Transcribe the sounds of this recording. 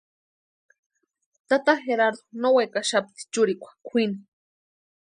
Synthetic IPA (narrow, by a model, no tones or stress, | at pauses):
t̪at̪axeɾaɾd̪onowajkaʃapt̪i̥t͡ʃʊɾikʷḁkʷʰini